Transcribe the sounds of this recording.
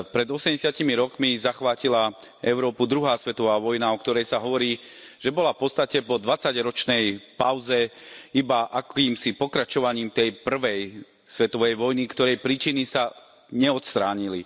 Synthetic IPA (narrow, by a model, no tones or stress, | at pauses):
pɾɛd̪ɔsɛmɟɛsɪacimiɾɔkmizaxʋaːcila | ɛʊɾɔːpud̪ɾuɦaːsʋɛt̪ɔʋaːʋɔjnaɔkt̪ɔɾɛjsaɦɔʋɔɾiː | ʒ̥ɛbɔlafpɔt̪t͡sst̪acɛpɔd̪ʋat͡saɟɾɔt͡ʃnɛjpaʊzɛibaʔakiːmsipɔkɾat͡ʃɔʋaɲiːmt̪ɛjpr̩ʋɛj | sʋɛt̪ɔʋɛjʋɔjnikt̪ɔɾɛjpɾiːt͡ʃinisa | ɲɛɔt̪st̪ɾaːɲili